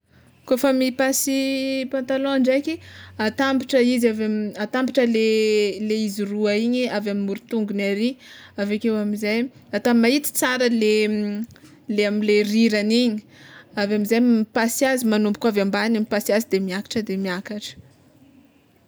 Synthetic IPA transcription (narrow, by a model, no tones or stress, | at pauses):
kofəmipasipãnt̪alõɳɖ͡ʐakʲiat̪ambiʈ͡ʂəizavamat̪ambiʈ͡ʂəleleiziruaiɲiavamimuɾut̪uŋɡunaɾiavekewamizajat̪ammait̪i̥t͡saɾəle | leamileriɾaniɲi̥avamizajmpasjazimanumbu̥kavambanamipasiazid̪emiakḁʈ͡ʂəd̪emiakaʈ͡ʂə̥